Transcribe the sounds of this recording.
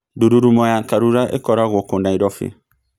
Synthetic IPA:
doduɾumɔjãkaɾuɾaʔḛkɔɾaɡokõndãidɔfḛ

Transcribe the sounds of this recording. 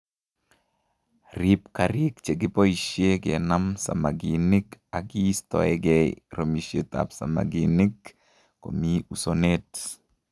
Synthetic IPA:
ɾipkaɾikt͡ʃeɡipoiʃjeɡḛnamsa̰maɡinikaɡist̪ɔ̰ɛɡɛɾomiʃjet̪a̰psa̰ma̰ɡinikː | o̰miusonet

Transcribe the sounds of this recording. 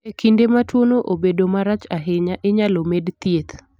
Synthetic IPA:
ekʰindematwonoʔobedomaɾat͡ʃaɦɪɲaʔɪɲalomedt̪jet̪

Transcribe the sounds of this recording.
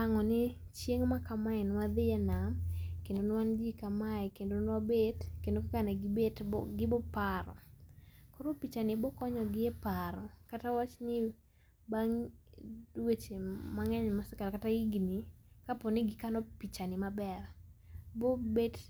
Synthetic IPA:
aŋɔnɪ | t͡ʃjeŋmakamaɪnwad̪ɪɛnamkendonwand͡ʒikamaɛkendonwabetkendokakanaɡɪbetɡɪbɔpaɾɔ̰ | koɾopit͡ʃanɪbɔkɔɲɔɡɪɛpaɾɔkatawat͡ʃnɪ | baŋ | wet͡ʃemaŋɛɲmasɪkalkataiɡnikapɔnɪɡɪkanɔpit͡ʃanɪmabɛrbobed

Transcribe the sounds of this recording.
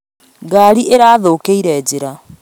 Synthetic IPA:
ɡaɾiʔeɾaːðoːkeiɾɛːd͡ʑeɾa

